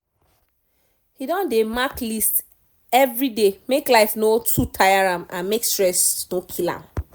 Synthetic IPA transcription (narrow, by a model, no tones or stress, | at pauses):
hidɔ̃ndemaklist | ɛvɹidemeklaɪfnotʰutʰajaɹãmã̰nmekstɹɛsnokʰilã̰m